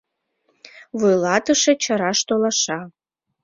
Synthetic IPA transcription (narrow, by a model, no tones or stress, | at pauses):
βujlɑt̪əʃet͡ɕɑɾɑʃt̪olɑʃɑ